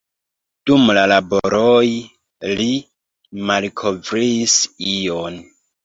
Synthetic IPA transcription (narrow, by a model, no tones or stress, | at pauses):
d̥umlalaboɾoj | li | malkʰovɾiːsion